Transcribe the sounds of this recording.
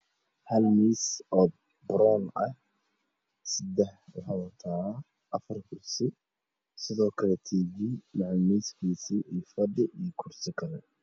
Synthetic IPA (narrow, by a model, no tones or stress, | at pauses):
hɐlmiːsɔːd̪̚ | bɾɔnɐh | sɪd̪ɛħwɑħaːwɐt̪ʰaː | ʔɐfɐrkʰʊrsɪ | sɪðɔːkʰɐlɛt̪ʰiːɣimaʕlmiːskʰiːsiʔijfɐɖɪʔijkʰʊrsɪkʰɐlɛ